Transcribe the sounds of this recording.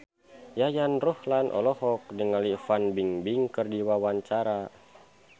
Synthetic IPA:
jajanruhlanʔɔ̰lɔhɔk̚dəŋalifanbiŋbiŋkərdiwawaɲt͡ʃaɾa

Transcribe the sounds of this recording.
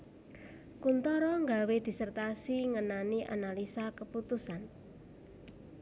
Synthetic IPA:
kunt̪ɔɾɔŋɡawed̪̥i̤sərt̪asiŋənaniʔa̰nalisakəput̪usan

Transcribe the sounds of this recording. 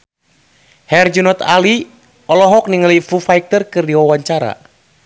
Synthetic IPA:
hɛrd͡ʒunɔt̪ali | ɔlɔɦɔk̚niŋəlifufaik̚t̪ərkɨrdiwawaɲt͡ʃaɾa̰

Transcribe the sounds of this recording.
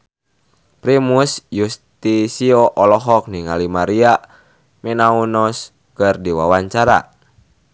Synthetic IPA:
pɾimusjust̪isiɔʔɔlɔɦɔk̚niŋalimaɾia | mɛnaunɔs | kɨrdiwawaɲt͡ʃaɾa̰

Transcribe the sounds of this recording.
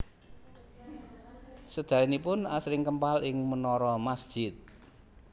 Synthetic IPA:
səd̪̥a̤inipʊnasɾɪŋkəmpalɪŋmənɔɾɔmasd̥ʒ̥ɪt̪̚

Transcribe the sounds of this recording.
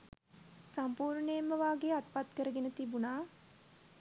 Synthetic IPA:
sampuːɾɳəjemːəʋaːɡeat̪pat̪kəɾəɡenət̪ibunaː

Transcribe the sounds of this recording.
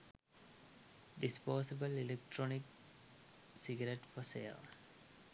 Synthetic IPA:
ɖispoːsibəlilek̚ʈɾonik | siɡɐɾeʈfɔsḛːl

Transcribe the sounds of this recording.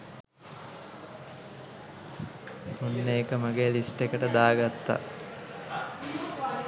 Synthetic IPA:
unːeːkəmaɡeːlisʈekəʈəd̪aːɡat̪ːa̰

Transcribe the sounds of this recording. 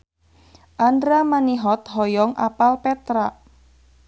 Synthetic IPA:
ʔandɾamaniɦɔt̪ɦɔjɔŋa̰palpɛt̪ɾa

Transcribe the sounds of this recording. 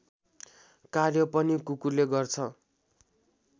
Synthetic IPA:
karjʌpʌnikukuleɡʌrt͡sʰʌ

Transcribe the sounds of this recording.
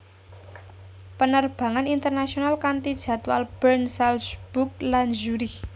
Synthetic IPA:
pənərb̥a̤ŋanint̪ərnasionalkant̪id̥ʒ̥ä̤t̪ua̰lb̥ərnsalsb̥uk̚lanʒuɾi

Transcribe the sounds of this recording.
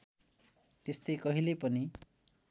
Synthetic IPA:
t̪est̪ekʌɦilepʌni

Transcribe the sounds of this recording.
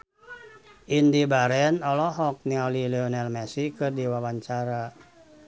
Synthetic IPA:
ʔindibaɾɛnɔlɔɦɔk̚niɔlilɛɔnɛlmɛsikɨrdiwawaɲt͡ʃaɾa

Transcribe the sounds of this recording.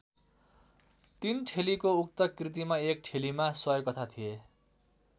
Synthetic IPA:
t̪inʈʰelikoukt̪ʌkrit̪̬imaek̚ʈʰelimasʌjkʌt̪ʰat̪ʰije

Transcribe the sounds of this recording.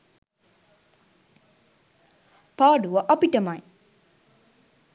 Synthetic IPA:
paːɖuʋɐʔɐpiʈɐmɐj

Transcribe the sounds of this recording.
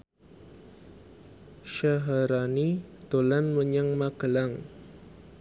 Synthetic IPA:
ʃaɦaɾanid̪̥olanməɲaŋmaɡ̥əlaŋ

